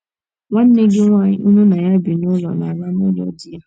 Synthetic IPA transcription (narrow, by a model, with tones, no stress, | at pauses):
ŋʷa˦n̩˦e˦ɡe˦ŋʷa˨ɲɪ˦u˦nu˦na˨ja˦bi˨nʊ˦lɔ̰˨na̰˨ba˦m˦ʊ˦lɔ̰˦dɪ˦ja˦